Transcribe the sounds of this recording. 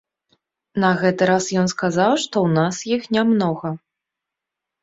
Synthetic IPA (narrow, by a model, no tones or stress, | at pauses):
nɐɣɛt̪ɨɾasjɔnskazawʂt̪ɔwnasjixnʲamnɔɣɐ